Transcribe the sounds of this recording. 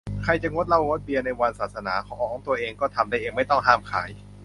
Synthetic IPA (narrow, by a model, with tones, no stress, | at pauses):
kʰa˧jt͡ɕa˨˩ŋo˦˥t̪̚la˧wɾoː˦˥t̪̚bi˧əna˧jwa˧nsaː˨˩t̪̚sa˧naː˩˦kʰɔː˨˦˩ʔɔː˧˩ʔɔː˨˦˩ŋt̪u˧ɐʔeː˧ŋkɔː˥˩t̪ʰa˧mda˥˩ʔeː˧ŋma˥˩jt̪ɔ˥˩ŋɦaː˥˩mkʰa̰ː˩˦j